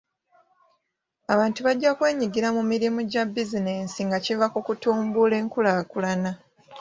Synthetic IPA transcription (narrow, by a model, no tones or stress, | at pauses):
aβaːntuβaɟːakwe̞ːɲiɡiɾamumiɾimuɟabizineːnsiŋɡacivakukutuːmbule̞ːŋkulaːkulana